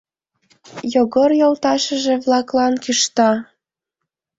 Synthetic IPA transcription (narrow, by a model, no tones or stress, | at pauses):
joɣorjolt̪ɑʃə̆ʒĕβlɑklɑnkiʃt̪ɑ